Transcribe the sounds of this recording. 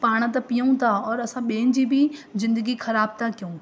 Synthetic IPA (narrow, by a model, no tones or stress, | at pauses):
paːɽ̃ə̆t̪̬ɐpijəũt̪ʰaɔːɾɐsãɓeːnd͡ʑibɪzɪ̃nd̪əɡixɐɾaːb̚t̪ʰakijũ